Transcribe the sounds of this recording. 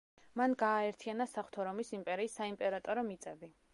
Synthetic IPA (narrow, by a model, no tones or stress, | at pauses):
manɡaːɛɾt̪ʰianasaχt̪ʰɔɾɔmisimpʼɛɾiːsːaimpʼɛɾat̪ʼɔɾɔmit̪sʼɛbi